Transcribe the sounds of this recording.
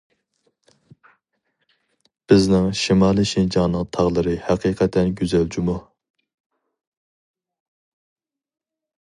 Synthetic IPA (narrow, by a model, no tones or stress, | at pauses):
b̥ɪznɪŋʃimɑːlˠiʃind͡ʒɑŋnɨŋt̪ʰɑʁlˠɨɾɨhæqʰiqʰɛt̪ʰːɛnɡʲyzɛlt͡ʃʰimu